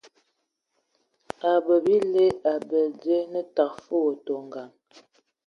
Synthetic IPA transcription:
a˨bə˨bi˦le˦a˨bɛ˨de˦nə˦ta˨k̚fə˦wo˨to˨ŋɡa˨ŋ

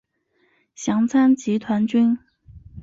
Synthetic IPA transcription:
ɕjɑ˧˥ŋt͡sʰa˥nt͡ɕi˧˥t̪ʰwa˧˥nt͡ɕy˥n

